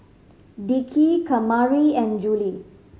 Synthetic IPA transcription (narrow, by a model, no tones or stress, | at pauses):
ɖikʰikʰɐmaɹiɛ̃nd͡ʒuli